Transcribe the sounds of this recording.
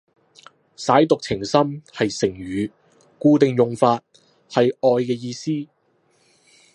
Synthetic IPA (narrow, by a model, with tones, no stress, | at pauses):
saː˨˥jt̪ʊ˨k̚t͡sʰɪ˨˩ŋsɐ˥mhɐ˨jsɪ˨˩ŋɥyː˨ | kuː˧t̪ɪ˨ŋjʊ˨ŋfaː˧t̚ | hɐ˨jɔː˨˧jkɛː˧jiː˧siː˥